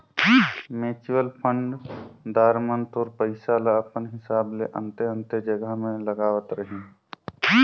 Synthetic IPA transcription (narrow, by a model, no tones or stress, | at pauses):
meːt͡ʃwəlpʰə̃ɳɖd̪aːɾmənt̪oːɾpəɪsalaəpənɦɪsaːbleʔə̰̃nt̪eə̃nt̪ed͡ʒəɡəmẽləɡaːʋət̪ɾəɦĩ